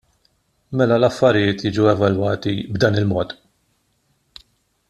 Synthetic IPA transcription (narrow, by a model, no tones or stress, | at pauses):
mɛlɐlɐfːɐɾɪjɪːt̪jɪːd͡ʒuwɛvɐlwɐːt̪ibd̪ɐːnɪlmɔːt̪